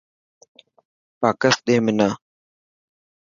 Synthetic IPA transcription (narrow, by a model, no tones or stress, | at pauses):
paːkəsɗ̪eːmɪnaː